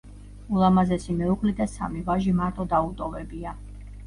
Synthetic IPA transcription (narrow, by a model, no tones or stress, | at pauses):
ulˠamazɛsimɛukʼlid̪asa̰mivaʒimaɾt̪ʼɔd̪aut̪ʼɔvɛbia